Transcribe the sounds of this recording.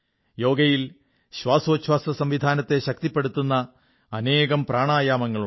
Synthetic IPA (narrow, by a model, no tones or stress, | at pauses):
jo̞ːɡɐjil | ɕwaːsoɕwaːsɐsɐmʋid̪ʱaːnɐt̪ːe̞ɕɐk̚t̪ipːe̞ɽut̪ːunːɐː | ne̞ːɣɐmpraːɳaːjaːmɐŋːɐɭu